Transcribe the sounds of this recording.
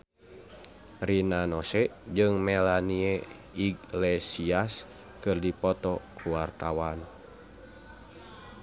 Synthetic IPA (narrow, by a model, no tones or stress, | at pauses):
rinanɔsɛd͡ʒɨŋmɛlanie | iɡlɛsias | kɨrdipɔt̪ɔkuwart̪awan